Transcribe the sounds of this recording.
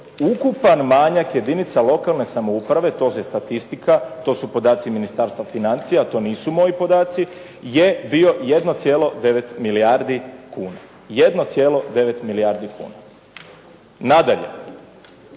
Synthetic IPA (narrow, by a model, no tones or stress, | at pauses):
ukupanmaɲakje̞d̪init̪salo̞kalˠne̞samo̞upɾaʋe̞t̪o̞ːsest̪at̪ist̪ikat̪o̞ːsupo̞d̪aːt̪siminist̪aːɾst̪ʋafinant̪sijat̪o̞ːniːsumo̞jipo̞d̪aːt̪si | jebio̞jed̪not̪sjeːlˠo̞d̪e̞ʋe̞t̪miliaɾd̪ikuːna | je̞d̪no̞t̪sjeːlo̞d̪e̞ʋe̞t̪miliaɾd̪ikṵːna̰ | nad̪aʎe̞̰